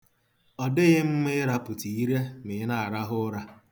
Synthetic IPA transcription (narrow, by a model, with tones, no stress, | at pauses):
ɔ˨dɪ˦ɣɪ˦m̩˦mɪ˦ɾa˦pʊ˨ti˨i˦ɾe˦mɪ˨˦na˦˨a˨ɾa˦ɦʊ˦ɾa˦